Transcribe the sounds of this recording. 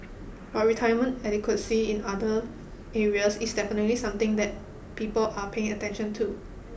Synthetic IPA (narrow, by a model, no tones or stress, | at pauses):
wɔt̚ɹitʰajəmə̃ntɛdikʰwəsiĩnadə | eɹiəsisdɛfənətlisãmt̪ɪ̃ŋd̪ɛt̚ | piːpəlʔapʰeɪ̃ŋətɛ̃nʃə̃ntʰu